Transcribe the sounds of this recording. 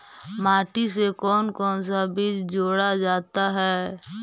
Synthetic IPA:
maːʈisekɔːnkɔːns̬abid͡ʒd͡ʒoːɽad͡ʒaːt̪aɦɛː

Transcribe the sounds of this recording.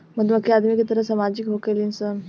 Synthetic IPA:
məd̪məkːiad̪mikit̪əɾəsəmad͡ʒikɦokelinsə

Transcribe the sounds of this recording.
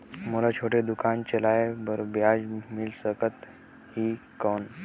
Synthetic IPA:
mulat͡ɕʰoʈed̪ukant͡ɕelaebəɾbjad͡ʑmilsəkət̪ | hiː | kən

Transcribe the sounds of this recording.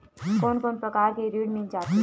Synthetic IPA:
koːnkoːnpɾəkaːɾkeɾiɽmĩnd͡ʒaːt̪i

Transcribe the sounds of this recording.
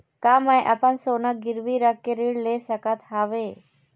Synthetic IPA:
kamajʔapansonaɡɪɾʋiɾakːeɾiɽlesəkat̪ɦaʋe

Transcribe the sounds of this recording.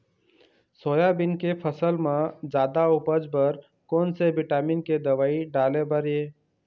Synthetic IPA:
soːjabɪnkepʰəsəlmãd͡ʒaːd̪aʊpəd͡ʒbəɾ | koːnsebɪʈaːminked̪əʋaːiɖaːlebəɾje

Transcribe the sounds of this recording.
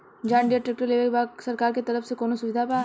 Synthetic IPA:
d͡ʒãːɳɖijəʈɾek̚ʈəɾleːʋekbaːɡsɐɾkaːɾket̪ɐɾəfsekoːnosʊʋɪd̪ʱapa

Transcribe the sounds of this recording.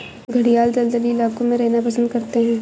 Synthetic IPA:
ɡʱɐɽijaːld͡ʒ̪ɐld̪əliːlaːkõmẽɾɛɦnapɐsə̃nd̪kɐɾt̪eɦɛ̃ː

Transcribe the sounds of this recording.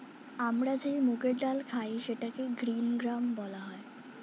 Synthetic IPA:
amɽad͡zemuɡeɖalkʰaiɕeʈakeɡɾiːnɡɾambɔlaɦɔj

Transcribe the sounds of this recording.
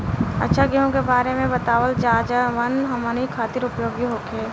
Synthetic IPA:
ɐ̰tːʃʰaɡiɦõkebaːɾemẽbɐt̪aːʋəld͡ʒaːd͡ʒəʋɐnɦɐmaːnikʰaːt̪ɪɾʊpjoːɡiɦoːkʰeː

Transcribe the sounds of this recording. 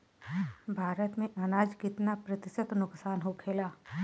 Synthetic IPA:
bʱaːɾət̪mẽʔɐnaːd͡ʒkɪt̪napɾɐt̪ɪsət̪nʊksaːnɦokʰeːlaː

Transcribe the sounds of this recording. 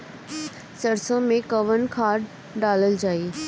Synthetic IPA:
sɐɾsõmẽkɐʋənkʰaːɾɖ | ɖaːləld͡ʑaːiː

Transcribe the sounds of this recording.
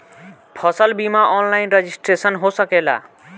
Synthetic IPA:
pʰəsəlbimaʔɔnlaɪnɾed͡ʒisʈɾesənɦosəkela̰

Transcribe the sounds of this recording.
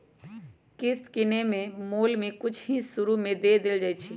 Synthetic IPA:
kɪst̪kɪnemẽmoːlmẽkʊt͡ʃʰɦĩsʊɾumẽd̪ed̪eld͡ʒaːjt͡ʃʰi

